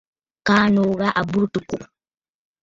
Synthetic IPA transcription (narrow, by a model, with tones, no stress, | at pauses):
kaː˦no˨ɣa˦ʔa˨bu˦ɾtu˨ku˨